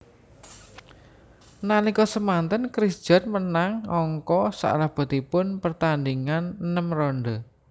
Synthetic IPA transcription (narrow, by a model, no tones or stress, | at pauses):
nanikɔsəmant̪ənkɾisd̥ʒ̥a̤nmənaŋɔŋkɔsa̰ʔlahb̥ɔ̤t̪ipʊnpərt̪andiŋannəmrɔɳɖɔ